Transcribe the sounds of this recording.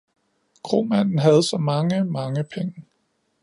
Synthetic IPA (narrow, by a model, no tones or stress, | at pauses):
ɡ̥ʰʁo̝̰ːmæn̰n̩ɦæð̞̩ˠsɒ̽mɑ̈ŋəmɑ̈ŋəpʰeŋə